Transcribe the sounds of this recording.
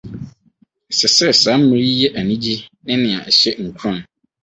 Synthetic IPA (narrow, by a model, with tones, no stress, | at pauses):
sɛ˨sɛ˦˨sãː˨˦m̩˦mĩ˨ɾi˦jɛ˦ʔa˨nĩ˦d͡ʑi˦nɪ̃˦nɪ̃˨a̰˨ɛ˨ɕɛ˦ŋ̩˨kʰu˦ɾã˦˨n